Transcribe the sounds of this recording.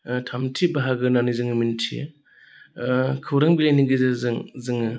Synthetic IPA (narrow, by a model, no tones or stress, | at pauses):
tʰamtʰibaɦaɡɯnanɯzɯŋɯmintʰḭ | kʰɯwɾaŋbilaniɡɯzɯzɯŋzɯŋɯ